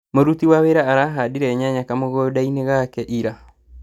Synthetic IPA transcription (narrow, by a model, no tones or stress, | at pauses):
moɾutiwaweɾaaɾaɦadiɾɛɲaɲakamoɣɔdaineɣakɛʔiɾa